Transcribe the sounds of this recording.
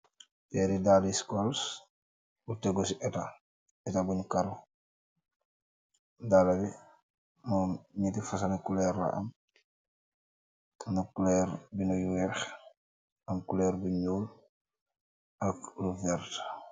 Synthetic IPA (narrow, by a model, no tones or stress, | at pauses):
pɛɾidaːliskɔls | buteɡosiʔɛta | ɛtabunukaɾu | dalabi | mɔɲitifɐsanikulɛrːa̰ʔɐ̰m | nɐkulɛɾbinujuwɛx | ɐmkulɛɾbiɲuːl | ʔɐkluvɛɾt